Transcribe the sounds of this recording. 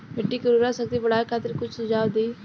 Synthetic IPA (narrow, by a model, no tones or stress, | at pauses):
meʈːiːkəɾuɾaːsəkd̪iːbəɽaːekʰaːt̪əɾkʊt͡ʃʰsəd͡ʒaːʊd̪iː